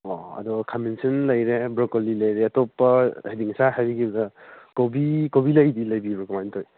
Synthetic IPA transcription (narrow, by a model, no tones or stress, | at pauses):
ɔɐ̰dɔkʰamensinlɐjɾebɾɔkolilɐjɾeɐtɔpːɐhediŋsaɦajbiɡibɐdɐkobikobilɐjdilɐjbibɔkɔmajntʰoj